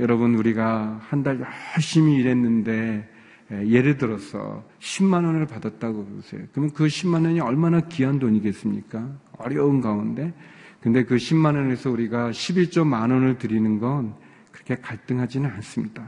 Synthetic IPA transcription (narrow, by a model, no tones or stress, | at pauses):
jʌɾʌbɯnuɾiɡahandaɭjʌhʌɭɕ͈imiːɾe̞nːɯnde̞ | je̞ɾɯɭdɯɾʌsʰʌ̰ɕʰimːanʌnɯɭpadat̚t͈aɡoɡosʰe̞̰jokɯɾmjʌnkɯɕʰimːanʌɲiʌɭmanakiandoɲiɡe̞s͈ɯmɲḭk͈aʌ̰ɾjʌunɡaunde̞kɯnde̞kɯɕʰimːanʌne̞sʰʌuɾiɡaɕʰibiɭt͡ɕ͈omanʌnɯɭtɯɾinɯnɡʌn | kɯɾʌkʰe̞kaɭt͈ɯŋɦad͡ʑinɯnans͈ɯmɲida